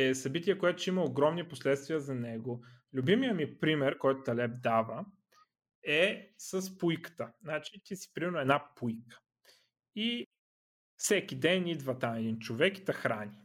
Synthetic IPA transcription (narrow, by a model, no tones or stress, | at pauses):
ɛsɐbit̪ʲiɛkoɛt̪ʊ̥t͡ʃimɐoɡɾɔmniposlɛt̪st̪viəzɐnɛɡolʲʊbimijəmipɾimɛɾkɔjt̪ʊt̪ɐlɛb̚d̪avə | ɛsəspujkə̥t̪əznat͡ʃit̪isi̥pɾimɛɾnʊɛd̪napujkə̥ | i | fsɛkʲid̪ɛnid̪vət̪amɛd̪int͡ʃovɛki̥t̪ɐxɾanʲi